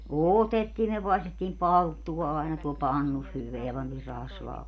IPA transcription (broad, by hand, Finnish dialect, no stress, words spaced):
oˑtetːiː myø pɑestetːiːm pɑltːuwɑ ɑenɑ tuol pɑnːus hyʋeæ pɑntiːr rɑsʋɑː